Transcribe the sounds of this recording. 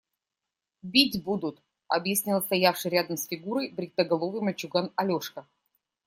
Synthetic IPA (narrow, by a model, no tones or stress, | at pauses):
bʲitʲbud̪ʊt̪ | ɐbjɪsʲnʲilˠst̪ɐjafʂɨjɾʲad̪əmsfʲɪɡuɾəjbɾʲɪt̪ːəɡɐlˠovɨjməlʲt͡ɕʊɡanɐlʲoʂkə